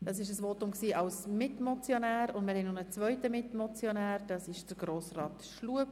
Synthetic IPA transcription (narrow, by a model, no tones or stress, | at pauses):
d̥ɑs̬ɪʃəsʋotʊmksiːʔɑlsmɪtmɔt͡sjonæːɾʊndmɪɾhɛnonət͡svœʏtəmɪtmɔt͡sjonæːɾd̥ɑsɪʃd̥əɾɡ̥ɾoːsrɑːtʃluəp